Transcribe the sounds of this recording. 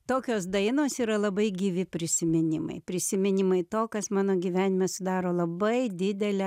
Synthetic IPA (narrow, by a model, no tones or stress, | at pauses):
t̪oːkʲoːsd̪ɐɪnoːsiːɾɐlˠɐbɐɪɡʲiːʋʲɪpʲɾʲɪsʲɪmʲɪnʲɪmɐ̰ɪpʲɾʲɪsʲɪmʲɪnʲɪmɐɪt̪oːkɐsmɑːnoːɡʲiːʋʲæːnʲɪmʲɛsʊd̪ɑːɾoːlˠɐbɐɪd̪ʲɪd̪ʲɛlʲɛ